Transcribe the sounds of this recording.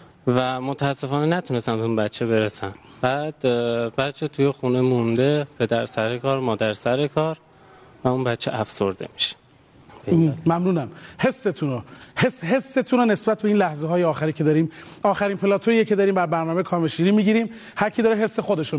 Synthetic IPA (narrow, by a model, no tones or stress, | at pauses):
væmot̪ʰæːsːe̞fɒːnenæt̪ʰunest̪æmbeunbætt͡ʃʰːe̞be̞ɾesænb̥æd̪̥bæt͡ʃʰːet̪ʰujexunemund̪e̞pʰe̞d̪æɾsæɾekʰɒːɾmɒːd̪æɾsæɾekʰɒːɾ | væunbætt͡ʃʰːeʔæfsoɾd̪e̞̰mi̥ʃe̥ | mæmnuːnæmhe̞sːet̪ʰunohesɦesːe̞t̪ʰunone̞sbæt̪̚ʰbe̞inlæhzeɦɒːjeɒːxæɾiːcʰe̞d̪ɒːɾiːmɒːxæɾiːnpʰelɒːt̪ʰoijecʰe̞d̪ɒːɾiːmb̪æɾbæɾnɒːmejekʰɒːme̞ʃiːɾiːmiːɟiɾiːm | hæɾcʰid̪ɒːɾeɦe̞sːe̞xo̞d̪eʃo